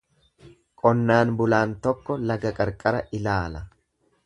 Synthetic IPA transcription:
kʼɔnːaːnbʊlaːnt̪ɔkːɔlɐɡɐkʼɐɾkʼɐɾɐʔɪlaːlɐ

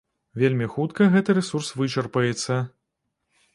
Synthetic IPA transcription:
vʲelʲmʲixut̪kɐɣɛt̪ɨɾɛsursvɨt͡ʃɐrpɐjɛt̪sːɐ

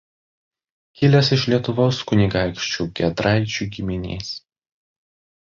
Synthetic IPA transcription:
kʲɪlʲɛsɪʃlʲiɛt̪ʊʋoːskʊnʲɪɡɑˑɪkʃʲt͡ʃʲuːˑɡʲɛd̪ɾɑˑɪt͡ʃʲuːɡʲɪmʲɪnʲḛːs

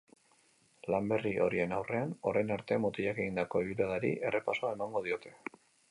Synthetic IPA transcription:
lambe̞riʔo̞̰ɾie̞nawre̞ano̞ɾejnaɾt̪e̞mot̪iʎake̞ɣ̞ind̪ako̞iβuɾaðaɾḭʔe̞re̞paso̞ae̞maŋɡo̞ð̞io̞t̪e̞̥

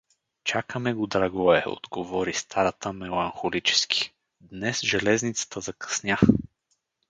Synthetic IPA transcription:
t͡ʃakəmɛɡod̪ɾaɡɔɛo̰d̪̥ɡovɔɾist̪ʰaɾɐt̪əmɛlˠɐnxolit͡ʃɛ̥skʰi̥ | d̪nɛsʒɛlɛznit̪sə̥t̪əzɐkɐ̥snʲja

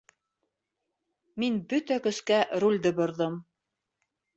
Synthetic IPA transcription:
minbɵt̪ækɵ̆skæɾulʲd̪ɘbŏɾðɤm

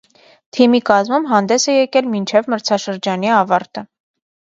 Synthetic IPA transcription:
t̪ʰimikɑzmumɦɑnd̪ɛsɛjɛkɛlmint͡ʃʰɛvməɾt͡sʰɑʃəɾd͡ʒɑniɑvɑɾt̪ə

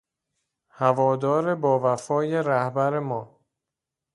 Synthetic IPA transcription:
hævɒːd̪ɒːɾe̞bɒːvæfɒːjeɾæhbæɾemɒː

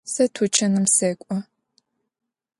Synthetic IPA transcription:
sɐtʰut͡ʃʰɐnɨmseːkʷʼɔ

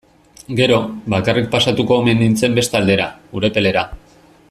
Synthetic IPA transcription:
ɡe̞ɾo̞bakarik̚pasat̪uko̞me̞nint͡se̞mbe̞st̪ald̪e̞ɾaɡuɾe̞pe̞le̞ɾa

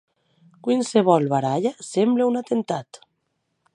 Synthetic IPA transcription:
kwinseβɔlβaɾaʎasembleunat̪ent̪at̪

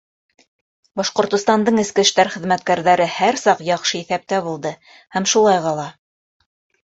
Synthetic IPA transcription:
bɑʃqŏɾt̪ŏst̪ɑnd̪ɤɴɘ̆skɘ̆ʃt̪æɾχɘ̆ðmæt̪kæɾðæɾɘhæɾsɑqjɑqʃɤiθæp̚t̪æβulˠd̪ɤ | hæmʃulˠɑjʁɑlˠɑ

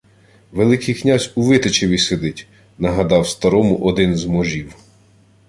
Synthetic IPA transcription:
ʋelˠɪkɪjknʲazʲuʋɪt̪et͡ʃeʋʲised̪ɪtʲ | nɐɦɐd̪ɑwst̪ɐɾɔmʊʔɔd̪ɪnzmɔʒʲiw

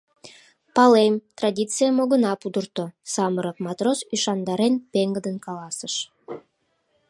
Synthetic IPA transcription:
pɑlemt̪rɑdʲit̪t͡sɨjəmoɣənɑpud̪ərt̪osɑməɾəp̚mɑt̪rosyʃɑnd̪ɑɾenpeŋɡəd̪ənkɑlɑsəʃ

